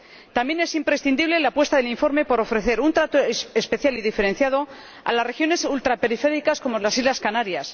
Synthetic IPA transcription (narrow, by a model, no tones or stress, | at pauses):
t̪amje̞ne̞simpɾe̞sθind̪iβ̞le̞lapwe̞st̪aðeliɱfo̞ɾme̞po̞ɾo̞fɾe̞θe̞ɾunt̪ɾat̪oespe̞θjaliðife̞ɾe̞nθjað̞o̞ | a̰lasre̞xjo̞ne̞sult̪ɾape̞ɾife̞ɾikasko̞molasizlaskanaɾjas